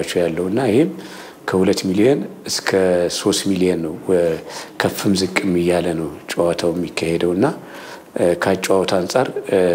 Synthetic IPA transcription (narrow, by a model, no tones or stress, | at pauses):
at͡ʃːɛwjalːəwɨnːaɪhɪm | kʰəhulət̪ːmilijɛnɨskʰəso̞st̪milijɛnːəw | kʰəfːɨmzɨkʼːɨmːɨjːalənəwt͡ʃʼwat̪ʰawjɛmːikʰːahed̪əwɨnːa | kʰat͡ʃʼwawt̪ʰansʼaɾ